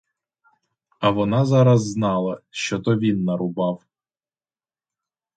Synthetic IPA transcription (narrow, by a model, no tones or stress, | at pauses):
ɐʋɔnɑzɑɾɐzːnɑlˠɐʃt͡ʃɔt̪ɔʋʲinːɐɾʊbɑw